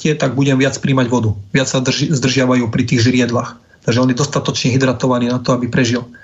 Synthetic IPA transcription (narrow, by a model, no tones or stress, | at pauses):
cɪɛt̪aɡ̚buɟɛmʋɪat͡spɾiːmaɟʋɔd̪uʋɪat͡ssazd̪r̩ʒɪaʋajuːpɾit̪iːɣʒɾɪɛd̪lax | t̪aɡʒɛɔnid̪ɔst̪at̪ɔt͡ʃɲɛɦid̪ɾat̪ɔʋaniːnat̪ɔabipɾɛʒil